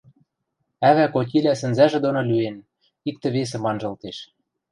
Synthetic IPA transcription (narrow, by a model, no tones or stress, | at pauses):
æβækot̬ʲilʲæsɘ̆nzæʒĕd̪onŏlyen | ik̚t̪ɘ̆βes̬ɘ̆mɑnʒɤ̆lt̪eʃ